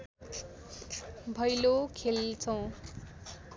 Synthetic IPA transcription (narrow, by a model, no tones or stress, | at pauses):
bʱʌjlokʰelt͡sʰʌw̃